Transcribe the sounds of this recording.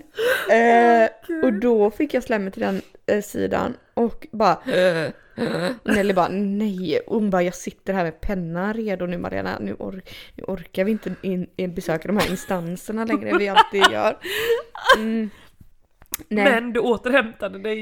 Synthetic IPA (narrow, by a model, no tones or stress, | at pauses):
ɔd̪ɔfɪkːjɑːslɛmːət̪ʰɪld̪ɛnsḭːd̪a̰n | ʔɔkbɑːɾa | nɛlːɪbɑnɛjʊŋbɑɾjɑːɡsɪt̪ːəɾɦæːɾmɛpʰɛnːanɾeːd̪ʊnʉ̟ːma̰ɾɪḛːna̰nʉ̟ːʔɔ̰ɾnʉ̟̰ːʔɔɾkaɾvɪɪnt̪əbɛsøːkad̪ɔmhæːɾɪnst̪ansəɳalɛŋɾəvɪalt̪ːiːd̪jœ̰ːɾ | nɛɛnd̪ɵoːt̪əɾhɛmt̪ad̪əd̪ɛj